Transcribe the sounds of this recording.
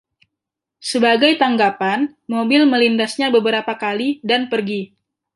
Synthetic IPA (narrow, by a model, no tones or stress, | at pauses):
səbaɡajt̪aŋɡapan | mobɪlməlindasɲabəbəɾapakalidanpərɡi